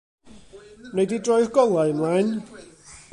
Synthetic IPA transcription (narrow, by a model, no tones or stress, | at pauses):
nejdidrɔjrɡɔlˠaɨmlˠajn